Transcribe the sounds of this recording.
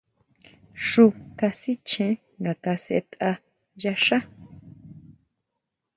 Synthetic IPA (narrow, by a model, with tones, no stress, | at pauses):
ʂu˧ka˧si˦t͡ʃẽ˨˦ | ŋɡa˨ka˧sḛ˧t̪a˧ | ja˧ʃa˦